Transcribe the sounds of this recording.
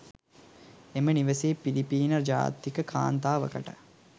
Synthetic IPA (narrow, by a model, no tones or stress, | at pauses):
eməniʋəseːpilipiːnərd͡ʒa̰ːt̪ːikəkʰa̰ːnt̪aːʋə̰kə̰ʈə